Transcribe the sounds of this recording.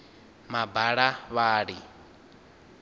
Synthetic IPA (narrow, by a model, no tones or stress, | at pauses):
mabaɺaβaːɺi